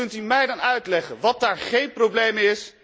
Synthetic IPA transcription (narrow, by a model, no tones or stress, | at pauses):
ɵntymɛjdɑnœɥtlɛχənʋɑt̚daːɹχejnprowblejmɪs